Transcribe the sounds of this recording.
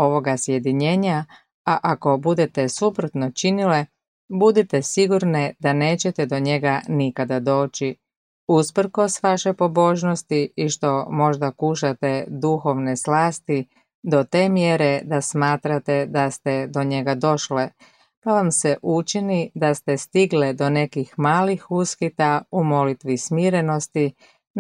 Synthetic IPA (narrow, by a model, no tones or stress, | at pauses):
o̞ʋo̞ɡasje̞d̪iɲe̞ːɲa | aʔako̞bud̪et̪e̞supɾot̪no̞t͡ʃinile̞ | bud̪it̪esiɡuɾnid̪ane̞ːt͡ɕe̞t̪ɛd̪o̞ɲe̞ɡanikad̪ad̪o̞ːt͡ɕi | uspr̩ko̞sʋaʃepo̞bo̞ʒnost̪iiʃt̪o̞mo̞ʒd̪akuʃat̪e̞d̪uxo̞ʋneslaːst̪i | d̪o̞t̪e̞ːmje̞ɾe̞d̪asmaːt̪ɾat̪e̞d̪ast̪ed̪o̞ɲe̞ɡad̪o̞ʃle | paʋamse̞ʔut͡ʃinid̪ast̪est̪iɡled̪o̞ne̞kixmaːlixuskit̪aumo̞lit̪ʋismiːɾe̞no̞st̪i